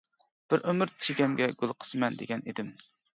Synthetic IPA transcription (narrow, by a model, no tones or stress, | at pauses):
b̥ɪɾʔømɨɾt̪ʰt͡ʃʰiɡʲɛmɡʲɛɡ̥ʲulˠqʰə̥sɨmɛnd̪eɡʲɛnid̪ɪm